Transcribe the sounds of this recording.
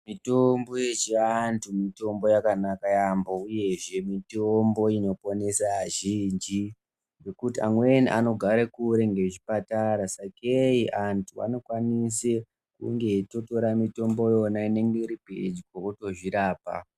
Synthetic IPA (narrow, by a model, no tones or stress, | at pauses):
mitombojet͡ʃeantʰumito̞mbo̞jakanakajambouje̞ʐe̞mitombo̞ino̞po̞nesaʒind͡ʒi | ŋɡe̞kutiamweniʔano̞ɡʱaɾekuɾe̞ŋɡe̞ʐipataɾasakeiʔantʰua̰no̞kwanise | kṵŋɡe̞to̞to̞ɾamito̞mbo̞jo̞naine̞ŋɡe̞iɾipḛd͡ʒikwokuto̞ʐiɾaːpa̰